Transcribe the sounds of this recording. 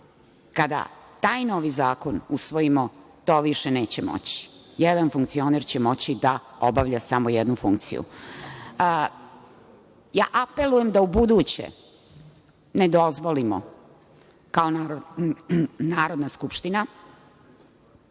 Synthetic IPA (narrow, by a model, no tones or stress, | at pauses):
kad̪a̰t̪aːjno̞ʋizaːko̞nusʋo̞jimot̪o̞ːʋiʃeneːt͡ɕemo̰t͡ɕi̥jed̪anfuŋk̚t̪sio̞neɾt͡ɕemo̞t͡ɕid̪aobaʋʎasamojɛd̪nufuŋkt̪sḭjṵ | jaːʔape̞lujemd̪aubud̪uːt͡ɕḛ | ned̪o̞zʋolimo̰ | kaonaɾ | naːɾo̞d̪naskupʃt̪ina